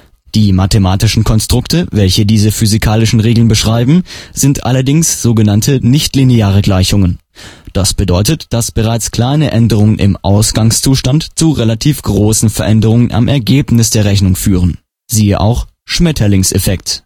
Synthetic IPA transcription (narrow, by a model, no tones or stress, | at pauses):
d̥iːmatemaːtɪʃn̩kʰɔnstʁ̥ʊktʰəvɛlçədiːzəfyzikʰaːlɪʃn̩ʁeːɡl̩nbəʃʁ̥aɪbm̩z̥ɪntʔa̰lɐdɪŋsz̥oːɡənantʰənɪçtlineaːʁ̞əɡlaɪçʊŋən | d̥asb̥ədɔʏtətd̥asb̥əʁaɪt͡skl̥aɪnəʔɛndəʁ̞ʊŋənʔɪ̰mʔaʊsɡ̥aŋst͡suːʃtantt͡suʁelatʰiːfɡ̥ʁoːsn̩fɛɐʔɛndəʁ̞ʊŋəna̰mʔɛɐɡeːpnɪs̬d̥eːɐʁɛçnʊŋfyːʁən | ziːəʔa̰ʊx | ʃmɛtʰɐlɪŋsʔɛfɛkt